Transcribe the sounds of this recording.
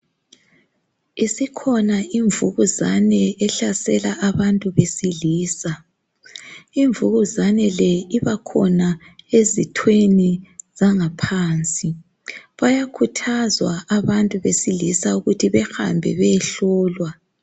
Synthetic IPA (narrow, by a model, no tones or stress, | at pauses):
isikʰɔnaʔiɱvuɣuzanɛɛɬasɛlaʔaβantʼuβesiliːsa | iɱvuɣuzanɛlɛiβakʰɔ̰na | ezitʰwenizaŋapʰaːnt͡sʼi | βajakʰutʰazwaaβantʼuβesilisauɣutʰiβɛxa̰mbʱɛ̰βɛɬɔːlwa